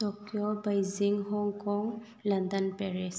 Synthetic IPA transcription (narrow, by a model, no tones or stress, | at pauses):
tɔkjɔbajziŋɦɔŋkɔŋ | landanpɛɹɛs